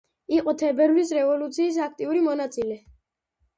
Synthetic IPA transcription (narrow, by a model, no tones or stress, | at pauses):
iqʼɔt̪ʰɛbɛɾlis̬ɾɛvɔlut̪sʰiːs̬ak̚ʰt̪ʼiuɾimɔnat̪sʼilɛ